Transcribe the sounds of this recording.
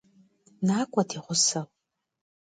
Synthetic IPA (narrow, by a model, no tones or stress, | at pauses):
naːkʷʼɐdʰiʁʷʊsɐl